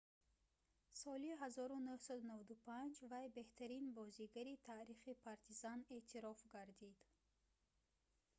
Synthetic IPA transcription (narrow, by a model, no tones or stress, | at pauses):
sɔliɦazɔɾunuhsad̪unavad̪upʰand͡ʒvajbe̞ht̪ʰaɾinbɔziɡaɾit̪ʰaɾiχipʰaɾt̪ʰizane̞ʔt̪ʰiɾɔfɡaɾd̪id̪̥